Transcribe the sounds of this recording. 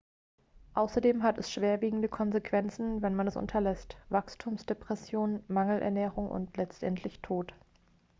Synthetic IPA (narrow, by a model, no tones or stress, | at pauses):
ʔaʊsɐdeːmɦatɛsʃv̥eːɐviːɡŋ̩dəkʰɔnzekv̥ɛnt͡sn̩vɛnmanɛsʔʊ̰ntʰɐlɛstv̥akstʰuːmsd̥epʁ̥ɛsjoːnmaŋl̩ʔɛ̰ɐnɛːʁ̞ʊŋʔʊ̰ntʰlɛt͡stʔɛntʰlɪçtʰoːt